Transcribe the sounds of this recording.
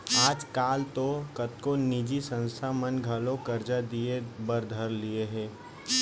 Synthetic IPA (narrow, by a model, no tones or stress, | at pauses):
aːd͡ʒkaːlt̪okət̪konid͡ʒisə̃nst̪ʰamənɡʱəlõkəɾd͡ʒad̪iebəɾd̪ʱəɾlieɦɛ̃ː